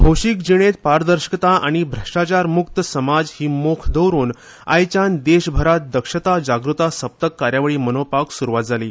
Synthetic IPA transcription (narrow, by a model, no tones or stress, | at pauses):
bʱowɕikd͡ʑiɽ̃et̪̚paɾd̪əɾɕə̥kət̪aʔaɽ̃ibʱɾəʂʈat͡ɕaɾmukt̪əsəmad͡zhiːmokʰd̪ʱəwɾuːn | a̰jt͡ɕand̪eɕbʱəɾat̪̚d̪əkʂət̪ad͡ʑaɡɾut̪asəp̚t̪əkːaɾjaʋɭiːmənopaksuɾuʋat̪̚d͡zaliː